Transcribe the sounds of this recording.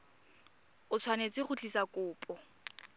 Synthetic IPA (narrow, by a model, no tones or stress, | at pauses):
ʊt͡sʰwanet͡sʼɪχʊt͡ɬʼisakʼʊːpʼɔ